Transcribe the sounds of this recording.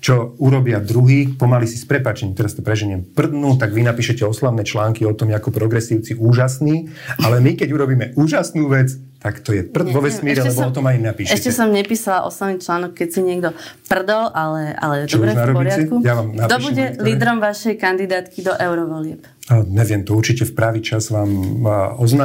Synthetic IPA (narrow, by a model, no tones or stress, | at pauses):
t͡ʃɔuɾɔbɪad̪ɾuɦiːpɔmalisispɾɛpaːt͡ʃɛɲimt̪ɛɾast̪ɔpɾɛʒɛɲɪɛmpr̩d̪nuːt̪aɡʋinapiːʃɛcɛɔslaʊnɛːt͡ʃlaːŋkiɔt̪ɔmjɛakɔpɾɔɡɾɛsiʊt͡siʔuːʒasniː | alɛmikɛɟuɾɔbiːmɛʔuːʒasnuːʋɛt͡s | t̪akt̪ɔjɛpr̩d̪ʋɔʋɛsmiːɾɛlɛɛbɔɔt̪ɔmajimnapiːʃɛɛccɛsɔmɲɛpiːsalaʔɔ̰slaʋniːt͡ʃlaːnɔkkːɛcsiɲɪɛɡd̪ɔpr̩d̪ɔlʔalɛa̰lɛdt͡ʃɔbɾɛnaɾɔpɔɾɪatɛkujaʋamnapd̪ɔiʃbuɟɛliːd̪ɾɔmʋaʃɛjkand̪id̪aːt̪kid̪ɔʔɛʊɾɔʋɔlɪɛp | aɲɛʋɪɛmt̪ɔuɾt͡ʃicɛfpɾaʋiːt͡ʃazʋaːmɔznaː